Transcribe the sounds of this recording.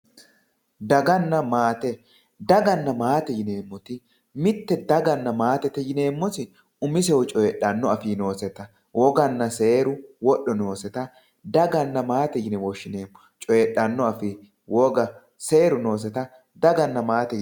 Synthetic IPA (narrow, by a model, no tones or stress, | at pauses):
d̪ɐɡɐnːɐmaːt̪ɛ | d̪ɐɡɐnːɐmaːt̪ɛjɪneːmːɔt̪ɪ | mɪt̪ːɛd̪ɐɡɐnːɐmaːt̪ɛt̪ɛjɪneːmːɔsɪ | ʊmɪs̬ɛwɔt͡ʃʼɔjɛɗɐnːɔɐfɪno̞ːsɛt̪ɐ | wɔɡɐnːɐse̞ːɾʊwɔɗːɔno̞ːsɛt̪ɐ | d̪ɐɡɐnːɐmaːt̪ɛjɪnɛwɔʃːɪneːmːɔ | t͡ʃʼɔɛɗːɐnːɔɐfɪ | wɔɡɐ | seːɾʊno̞ːs̬ɛt̪ɐ | d̪ɐɡɐnːɐmaːt̪ɛj